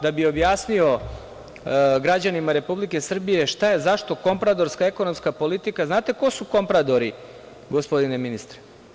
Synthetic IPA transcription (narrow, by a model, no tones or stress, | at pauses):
d̪abio̞bjaːsnio̞ | ɡɾad͡ʑanimaɾe̞publike̞sr̩bije̞ʃt̪aje̞zaʃt̪o̞ko̞mpɾad̪o̞ɾskae̞ko̞no̞mskapo̞lit̪ikaznaːt̪e̞ko̞suko̞mpɾad̪o̞ɾi | ɡo̞spo̞d̪ineminist̪ɾe̥